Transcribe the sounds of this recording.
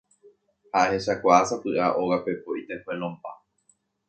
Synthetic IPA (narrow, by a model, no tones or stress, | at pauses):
haʔeheʃakʷaːsapɨʔaʔoɣape̞poʔit̪e̞felõmpa